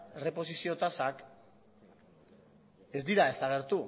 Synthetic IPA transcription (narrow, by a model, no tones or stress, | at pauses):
ere̞po̞sisio̞t̪asak | e̞zd̪iɾae̞saɣ̞e̞ɾt̪u